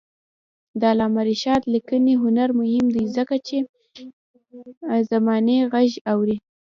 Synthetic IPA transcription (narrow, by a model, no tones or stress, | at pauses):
d̪əalɑmaɾiʃɑt̪likəniɦʊnaɾmʊhɪmd̪ajzəkat͡ʃe | zamɑneɣaʒawɾi